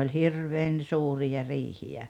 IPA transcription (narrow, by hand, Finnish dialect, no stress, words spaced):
olʲ hirʋeːn suːrijɑ riːhiæ